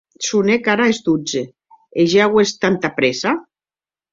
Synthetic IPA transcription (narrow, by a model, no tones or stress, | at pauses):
sunekaɾaezd̪ud͡ze | eʒaɣwest̪ant̪apɾesa